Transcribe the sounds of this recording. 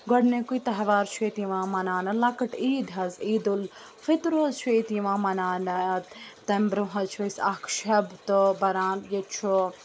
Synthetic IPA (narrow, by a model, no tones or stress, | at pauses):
ɡɔɽnẽkuit̪ɐɦʋaːɾt͡ʃʰuet̪iʋãːmɐnaːnɐlɐkɐʈiːd̪ɦɐziːd̪ul | fit̪ɾoɐzt͡ʃʰuet̪iʋãːmɐnaːnɐt̪ɐmbɾuɦɐt͡ʃʰuisakʰʃɐbt̪obɐɾaːnjet͡ʃʰu